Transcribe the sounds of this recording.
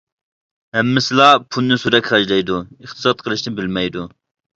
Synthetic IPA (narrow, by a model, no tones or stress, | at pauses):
hɛmːɪsɪlˠɑpʰunːɨsuɾɛkʲχɑʒlˠɛjd̪uiχt̪ʰɨ̥sɑt̪̚qʰəlˠɨʃnɪbɪlmɛjd̪u